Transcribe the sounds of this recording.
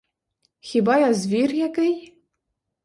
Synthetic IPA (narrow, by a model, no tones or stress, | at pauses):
xʲibɑjɑzvʲirjækɘj